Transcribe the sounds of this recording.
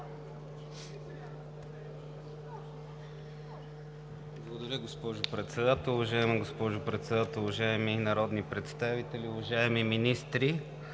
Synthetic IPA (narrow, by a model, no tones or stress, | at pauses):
blˠɐɡod̪ɐɾʲəɡospɔʒʊpɾɛt̪sɛd̪at̪əlˠʊvɐʒaɛməɡospɔʒʊpɾɛt̪sɛd̪at̪ɛlˠʊvɐʒaɛminɐɾɔd̪nipɾɛt̪st̪avit̪ɛlʲiʊvɐʒaɛmiminist̪ɾi